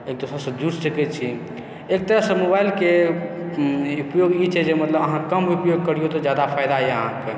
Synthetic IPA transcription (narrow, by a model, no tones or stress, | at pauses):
ek̚d̪osɾasə̃d̪uɾsəkɛt͡ʃʰi | ek̚t̪əɾasəmobailke | upjoɡit͡ʃʰɛd͡ʒemət̪ləbəɦãkəmɦupjoɡ̚kəɾijot̪ɔd͡ʒjad̪apʰajd̪aɦɛəɦãke